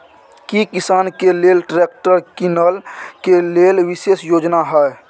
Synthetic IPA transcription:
kikɪsaːnkeleːlʈɾeːk̚ʈəɾkinəlkeleːlʋɪseːsjoːd͡ʒnaɦɛː

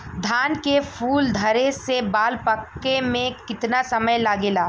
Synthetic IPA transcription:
d̪ʱaːnkefʰuːld̪ʱɐɾesebaːlpəkːemẽkɪt̪nasɐməjlaːɡeːlaː

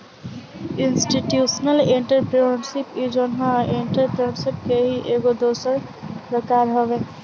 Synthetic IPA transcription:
ɪnsʈiʈjuːʃnəlɪ̃ɳʈəɾpɾeɳsɪpid͡ʒonɦãɪ̃ɳʈəɾpɾɳsɪpkeɦiʔeːɡod̪oːsəɾpɾəkaːɾɦoʋeː

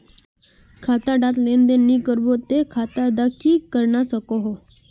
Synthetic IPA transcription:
kʰat̪aɖat̪lend̪enːikəɾbot̪ekʰat̪ad̪akiːkːəɾɳasəkoɦo

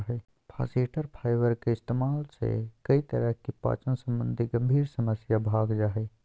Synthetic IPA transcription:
ɦɛ | pʰa̰seʈəɾpʰaːɪʋəɾkeɪst̪emaːlt͡ʃʰɛ̰kəit̪əɾəɦkepa̰ːt͡ʃənsə̃mbə̃nd̪ʱiɡəmbʱiːɾsəməsjabʱaɡd͡ʒaɦɛ

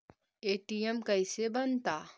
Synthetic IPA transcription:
eːʈijemkɐɪsebɐnt̪aː

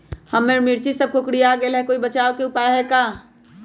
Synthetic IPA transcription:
həmːeɾmɪɾt͡ʃisəb̚kokɽiaːɡelɦɛkoːibət͡ʃaːʋkeʊpaːjɦɛkaː

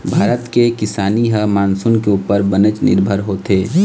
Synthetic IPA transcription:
bʱaːɾət̪kekɪsaːniɦəmaːnsʊnkeuːpəɾbənət͡ʃnɪ̰ɾbʱəɾɦoːt̪eː

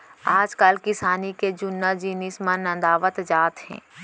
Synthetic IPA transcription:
aːd͡ʒkalkɪsaːniked͡ʒʊnːad͡ʒiːnismə̃nə̃nd̪aːʋət̪d͡ʒaːt̪ɦɛ̰̃ː

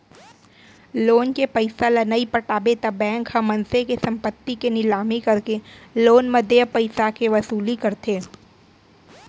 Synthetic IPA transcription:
loːnkepɐɪsalɐnəipɐʈaːbet̪abɛ̃ːŋkhɐmːɐ̃nsekesɐ̃mpət̪ːikenɪlaːmikɐɾkeloːnmɐd̪ʱjəpɐɪsakeʋɐsuːlikɐɾt̪eː

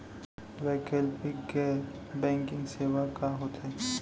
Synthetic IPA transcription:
ʋɛːkelpikke | bɛ̃ːŋkɪ̃ŋɡseːʋakaɦoːt̪ɛː

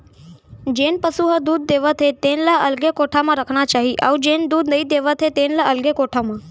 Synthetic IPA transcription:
d͡ʑenpəsuɦəd̪uːd̪̚ːeʋət̪ʰet̪enlaʔəlɡekoʈʰamãɾəkʰɳat͡ɕaɦiʔa̰ud͡ʑend̪uːd̪nəid̪eʋət̪ʰet̪enlaʔəlɡekoʈʰamã

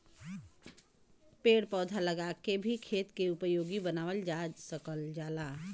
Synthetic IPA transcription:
peːɽpɔːd̪ʱaləɡakebʱikʰeːt̪keʊpəjoːɡibənaːʋəld͡ʒaːd͡ʒsəkəld͡ʒaːla

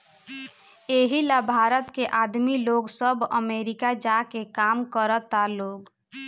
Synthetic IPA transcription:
eːɦilabʱaːɾət̪keʔaːd̪miloɡsəbəmeːɾɪkad͡ʒakekaːmkəɾət̪aloɡ

